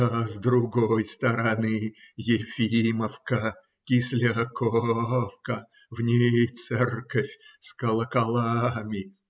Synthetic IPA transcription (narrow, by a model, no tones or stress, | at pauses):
əzd̪ɾʊɡojst̪əɾɐnɨjɪfʲiiməfkə | kʲɪsʲlʲɪkofkə | vnʲejt̪sɛrkəfʲskəlˠəkɐlˠamʲɪ